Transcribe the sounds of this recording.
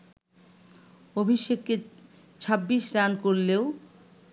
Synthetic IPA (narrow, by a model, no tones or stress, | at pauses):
obʱiʃekːe | t͡ɕʰabːiʃɾankoɾleo